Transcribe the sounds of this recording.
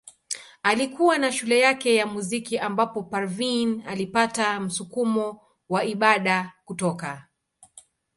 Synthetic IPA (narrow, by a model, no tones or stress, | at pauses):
alikuwanaʃulɛjakɛjamuzikiʔambapɔpaɾvinalipatam̩sukumɔ | waiɓaɗakutɔka